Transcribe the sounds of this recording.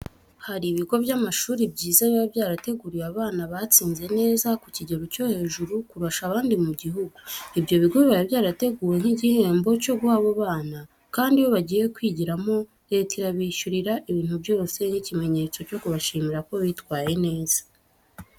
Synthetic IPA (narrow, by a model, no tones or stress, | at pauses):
haɾiβiɡo̞vjamaʃuːɾibɟiːzaβiβabjaːɾate̞ɡuɾiwaβaːnaβat͡siːnze̞ne̞ːzakuciɟe̞ɾoco̞he̞ːʒuɾukuɾaʃaːβaːndimuɟiɦuɡuibjo̞βiɡoβiβaɾibjaːɾate̞ɡuːɾeŋ̥hiːɟihe̞ːmbo̞co̞ɡuhaːβoβaːna | kaːndiwo̞βaɟiːje̞kwiːɟiɾamo̞ | ɾe̞ːtiɾaβiʃuɾiɾaʔiβiːn̥hubjo̞ːse̞nicime̞ɲe̞t͡so̞co̞kuβaʃiːmiɾako̞βitkwaːje̞ne̞ːz̥ḁ